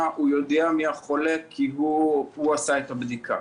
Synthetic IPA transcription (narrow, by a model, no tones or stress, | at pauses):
aʔujod̪eamiaχolekʰːiɦuuasaet̪abd̪ikʰa̰